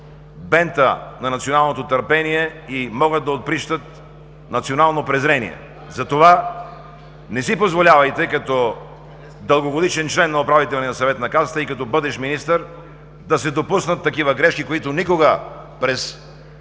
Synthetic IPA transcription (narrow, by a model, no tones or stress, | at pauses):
bɛnt̪ənɐnɐt̪sionalˠnot̪ot̪əɾpɛniɛimɔɡəd̪̚d̪ɐot̪̚pɾiʃt̪ət̪̚ | nɐt̪sionalˠnopɾɛzɾɛnḭɛ̰ | zɐt̪ova | nɛsipozvolʲavɐjt̪ɛkɐt̪ɔ | d̪əlˠɡoɡod̪it͡ʃɛnt͡ʃlɛnːɐopɾavit̪ɛlˠninɐsɐvɛt̪nɐkazət̪əikɐt̪ɔbɤd̪ɛʃminist̪əɾ | d̪ɐsɛd̪opusnət̪ːɐkivəɡɾɛʃkikoit̪ʊnikoɡə | pɾɛs